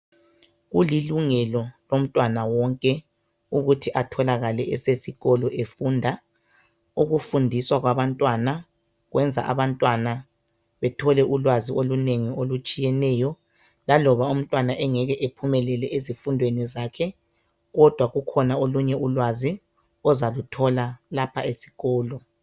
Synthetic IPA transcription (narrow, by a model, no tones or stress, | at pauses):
ɣuliluŋɛlɔlom̩tʼwanawɔŋkʼɛ | uɣutʰiʔatʰɔlaɣalɛɛ̰sesiɣɔlɔʔefundʱa | uɣufundʱiswaɣwaβantʼwana | ɣwʔɛnd͡zʱa̰ʔa̰βantʼwana | βɛtʰɔlɛʔulwazioluneŋiolut͡ʃʼijɛnɛjɔ | lalɔβaum̩tʼwanaʔɛŋɛɣɛʔepʰumɛlɛlɛʔezifundʱwenizakʰɛ | ɣɔd̥ʱwaɣukʰɔnaoluɲɛʔulwazi | ɔzalutʰɔlalapʰaesi̥ɣɔːlɔ